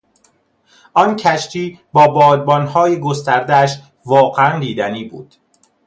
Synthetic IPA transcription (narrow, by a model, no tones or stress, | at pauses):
ʔɒncʰæʃt̪ʰiːbɒːbɒːd̪̚bɒnhɒːjeɡo̞st̪æɾd̪eæʃ | vɒːɣeænd̪iːd̪æniːbuːd̪̥